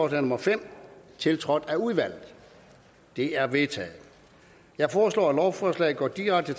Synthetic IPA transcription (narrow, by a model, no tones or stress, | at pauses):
ɒsɛnɔ̽mɐfem̰t͡sʰe̝lt͡sʰʁɒ̽d̥æuðˠʋæl̰ð̩ˠ | d̥e̝æɐʋe̝t͡sʰɛ̰ːð̩ˠ | jɑ̈ɪfɒːslɒ̰ːælɒʊfɒːslɛ̰ɪɡ̥ɒ̰ːd̥iʁɑ̈ɡ̥̚d̥ət͡sʰ